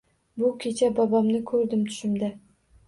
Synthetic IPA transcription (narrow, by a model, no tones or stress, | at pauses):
bʊkʲʰet͡ʃʰabɑbamnɪkʲʰɵɾd̪ɪmt̪ʰy̥ʃɪmd̪a